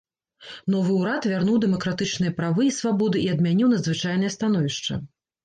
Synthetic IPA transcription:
n̪ɔvɨuɾat̪vʲarnuwd̪ɛmɐkɾat̪ɨt͡ʂnɨjɐpɾavɨːsvabɔd̪ɨiɐd̪mʲanʲiwnɐd̪zvɨt͡ʂajnɨjɐst̪anɔvʲiʂt͡ʂɐ̰

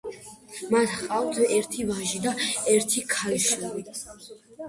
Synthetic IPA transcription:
mat̪qʼawt̪ʰɛɾt̪ʰivaʒid̪aɛɾt̪ʰikʰalʃaɾi

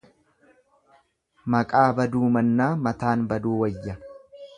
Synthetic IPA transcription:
mɐkʼaːbɐd̪uːmɐnːaːmɐt̪aːnbɐd̪uːwɐjːɐ

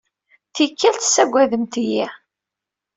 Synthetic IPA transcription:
θikːælt̪sːæɡʷːæðəmt̪iji

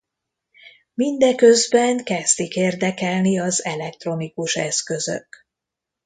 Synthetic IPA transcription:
mind̪ɛkøzbɛŋkɛst̪ikeːrd̪ɛkɛlniɒzɛlɛk̚t̪ro̞nikuʃɛ̰skø̞zø̰k

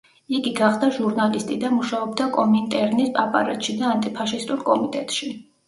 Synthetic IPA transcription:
iɡiɡaχd̪aʒuɾnalist̪ʼid̪amuʃaɔbd̪akʼɔmint̪ʼɛɾnispʼapʼa̰ɾɛt̪ʼʃid̪aːnt̪ʼipʰaʃist̪ʼuɾkʼɔmit̪ʼɛt̪ʼʃi

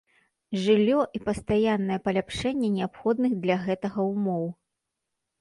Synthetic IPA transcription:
ʐɨlʲːɔʔipɐst̪ajanːɐjɛpɐlʲapʂɛnʲːɛnʲɛapxɔd̪nɨɣd̪lʲɐɣɛt̪ɐɣɐumɔw

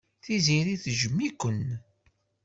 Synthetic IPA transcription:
θiziɾiθʒəmːikʷən

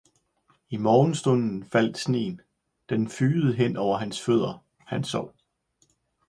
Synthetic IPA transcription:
imɒːn̩sd̥ɔ̽n̰n̩fæl̰d̥sne̝̰ːn | d̥enfyːð̩ˠɦen̰ɒʊɐɦænsføð̞̰ˠɐ | hænsɒʊ̰

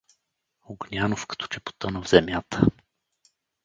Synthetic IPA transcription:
oɡnʲanofkə̥t̪o̥t͡ʃɛpo̥t̪ɤnəvz̥ɛmʲjat̪ʰə

